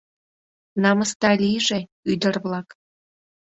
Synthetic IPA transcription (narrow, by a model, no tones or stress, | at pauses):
nɑməst̪ɑlʲiʒe | yd̪ərβlɑk